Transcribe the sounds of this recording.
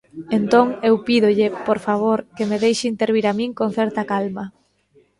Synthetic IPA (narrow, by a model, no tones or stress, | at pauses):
ent̪oŋewpiðʊʎɪpoɾfaβ̞oɾkemeðejʃɪint̪eɾβiɾamĩŋkõnθɛɾt̪ɐkalmɐ